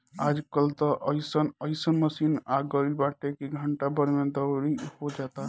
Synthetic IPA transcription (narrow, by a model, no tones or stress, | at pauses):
ad͡ʒkəlt̪əʔəjsənəjsənməsinaɡəlilbaʈekiɡʱəɳʈabəɾmed̪əɾihod͡ʒat̪a